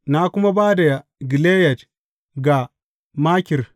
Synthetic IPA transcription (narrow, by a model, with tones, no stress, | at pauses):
na˦kʷʊ˦ma˦baː˦da˨ja˨ɡi˨leː˦jɛ˨t | ɡa˨ | ma˦kʲɪ˨r